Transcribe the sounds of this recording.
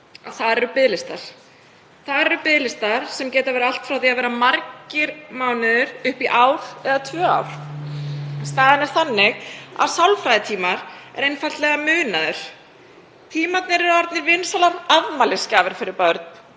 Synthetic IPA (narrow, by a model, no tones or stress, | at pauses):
a̰ðθaðɾɛɾʏpɪðlɪst̪aɾ̥ | θaðɾɛɾʏpɪðlɪst̪aɾ̥sɛmcɛːt̪avɛːɾaal̥t̪fɾawθiaðvɛːɾamaɾcɪɾmaːwnɪðʏɾʏhpiʔaːwɾ̥ɛðat̪ʰvœːa̰wɾ̥ | st̪aːðɪnɛɾ̥θanːɪɣa̰ðsawlfɾajðɪt̪ʰiːmaɾɛ̰ɾejnfal̥t̪lɛɣamʏːnaðʏɾ̥ | t̪ʰiːmat̪nɪɾɛɾɔɾt̪nɪɾvɪnsalaɾaðmalɪscaːvɪɾ̥fɪɾɪɾpœɾt̪n̥